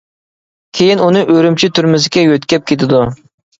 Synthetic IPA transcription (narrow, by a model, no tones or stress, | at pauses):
kʲʰejinunɨʔøɾymt͡ʃʰit̪ʰyɾmɪzɪkʲɛjøt̪kʲɛp̚kʰʲet̪ʰɪd̪u